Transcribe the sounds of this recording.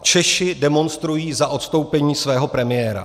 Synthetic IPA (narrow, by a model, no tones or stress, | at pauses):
t͡ʃɛʃɪdɛmo̞nst̪ɾujiːzaʔo̞t̪st̪o̞wpɛɲiːsvɛːɦopɾɛmɪjɛːɾa̰